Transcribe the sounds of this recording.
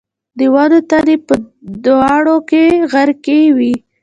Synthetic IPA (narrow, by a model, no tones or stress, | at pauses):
d̪əwad̪ot̪ad̪epəd̪ɑɽokeɣaɾkewi